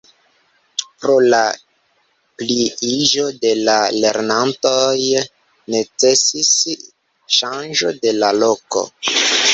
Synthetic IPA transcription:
pɾo̞la | pliiʒo̞de̞lale̞ɾnanto̞j | ne̞t͡se̞sis | ʃand͡ʒo̞de̞lalo̞ko̞̰

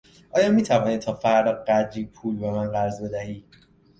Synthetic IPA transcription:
ʔɒːjɒːmiːt̪ʰævɒːnit̪ʰɒːfæɾd̪ɒːɢæd̪iːpʰuːlbemænɢæɾzbe̞d̪æhiː

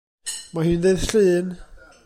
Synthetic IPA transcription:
maɦiːndeðɬɨːn

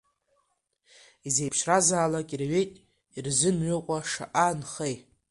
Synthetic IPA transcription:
izejpʰʃrazaːlakʼirɥe̞jtʼ | irzɨnɥʏqʷʼaʂa̰ʔanχej

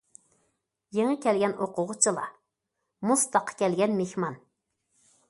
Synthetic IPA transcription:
jeŋɨkʲʰɛlɡʲɛnoqʊʁʊt͡ʃʰilˠɑ̰ | must̪ɑqʰɑ̥kʲɛlɡʲɛnmehmɑn

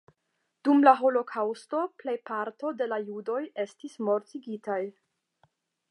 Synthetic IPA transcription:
d̥umlaɦo̞lo̞kʰawsto̞ple̞jpaɾto̞de̞lajudo̞je̞stismo̞ɾtiɡitaj

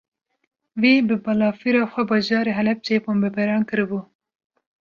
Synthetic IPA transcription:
wiːbɨbɑlɑːfiɾɑːxʷɛbɑːʒɑːɾeːɦɛlɛp̚t͡ʃepoːmbɛbɛɾɑːnkɨɾɨbuː

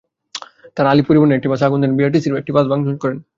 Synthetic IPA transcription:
t̪aɾalipuɾibuneek̚ʈibasaɡund̪eɾbiaʈ̬isiɾbek̚ʈibazbaŋd͡ʑʱonkɔɾen

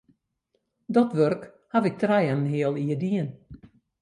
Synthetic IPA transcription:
dɔtʋørk | havɪk̚trɛjannɦiəlˠiədiən

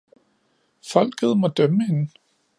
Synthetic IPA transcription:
fɒ̽l̰ɡ̥ð̞ˠmɒ̽d̥œməhe̝nə

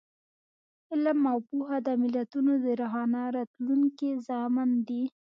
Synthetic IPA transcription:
ɪlmːawpuɦad̪əmɪlat̪unod̪əɾaɦɑnaɾɑt̪luŋkizɑmɪnd̪i

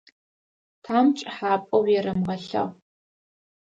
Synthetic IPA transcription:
tʰaːmt͡ʃʼħaːpʼɐwjɛɾɐmʁɐɬɐ̰ʁ

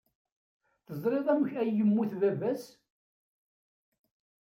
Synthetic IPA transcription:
θəzˤɾˤeðˤæməçæjːəmːuθvævæs

